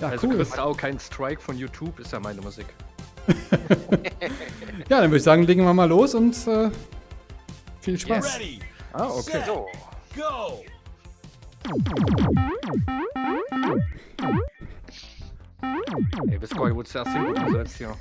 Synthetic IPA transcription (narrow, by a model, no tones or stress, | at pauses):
jaːalkzouːlʁɪstaʊkʰaɪnstʁ̥aɪkfɔnjuːtʰuːpɪstjaːmaɪnəmuziːk | jaːdanvʏɐɪçz̥aːɡŋleːɡŋ̩viːɐmaːloːsʊntʔɛː | fiːlʃpaːsiʔaːʔokʰeːɡ̥o | ɛvɪskɔɪvʊtsɛsti̥uzoashiːɐ